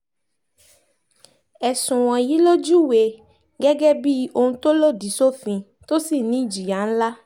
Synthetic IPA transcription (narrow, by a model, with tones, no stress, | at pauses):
ɛ˨sũ˨w̃ɔ̃˨ji˦lo˦d͡ʒu˦we˨ | ɡɛ˦ɡɛ˦bi˦o˨ŋũ˦t̪o˦lo˦di˨so˦fĩ˨ | t̪o˦si˨nĩ˦d͡ʒi˨ja˨˦n̩˦la˦